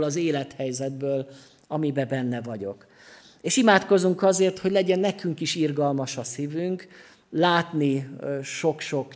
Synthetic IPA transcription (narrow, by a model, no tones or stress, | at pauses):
lɒzeːlɛt̪hɛjzɛd̪̚bøːl | ɒmibɛbɛnːɛvɒɟo̞̰k | eːʃimaːt̪ko̞zuŋkɒzeːrt̪ho̞ɟlɛɟɛnːɛkyŋkiʃirɡɒlmɒʃɒsivyŋk | laːt̪niʃo̞kʃo̞k